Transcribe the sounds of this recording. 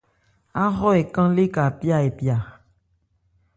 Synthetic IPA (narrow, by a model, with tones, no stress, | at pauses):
a˦xɔ˦e˨kã˦le˦ka˨pja˦˨e˨pi˨a˨